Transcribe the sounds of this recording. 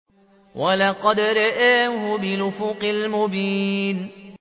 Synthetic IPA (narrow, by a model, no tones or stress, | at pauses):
wʔalɑqɑd̪ɾˤɑʔaːɦʊbɪlʊfʊqɪlmʊbiːn